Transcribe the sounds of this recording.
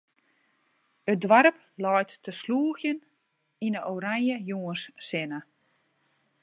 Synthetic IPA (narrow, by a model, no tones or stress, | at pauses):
ət̚dʋaɾəp | lɔjtːəsluːəxjən | inəʔoːɾaŋjəjuənsːɪnə